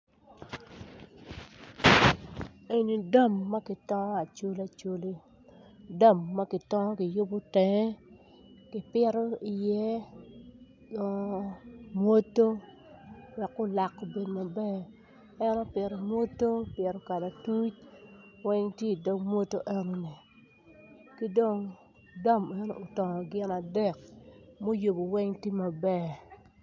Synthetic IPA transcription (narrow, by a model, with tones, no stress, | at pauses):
e˨ni˨da˦˨mːa˦kɪ˨tɔ˦ŋɔ˦a˨t͡ʃo˦la˨t͡ʃo˦li˦ | da˦˨mːa˦kɪ˨tɔ˦ŋɔ˦kɪ˨jʊ˦bʊ˦tɛ˨˦ | kɪ˨pɪ˦ɾɔ˦i˨jɛ˦˨ | mwo˦tːo˦ | wɛ˨kːo˦la˨kːo˨be˨dma˨bɛ˦ | ɛ˦nɔ˦pɪ˨ɾo˨mwo˦tːo˦pɪ˨ɾɔ˦ka˨da˨tu˦t͡ʃ̚wɛ˦ŋtje˦i˨do˦ŋmwo˦tːo˦ʔɛ˦no˦ne˨ | ki˦do˦ŋ | dɔ˦mɛ˦no̰˨ʔtɔ˨ŋɔ˨ɡɪ˦na˨dɛ˦˨kmo˦jo˨bo˨wɛ˦ŋti˦ma˨bɛ˦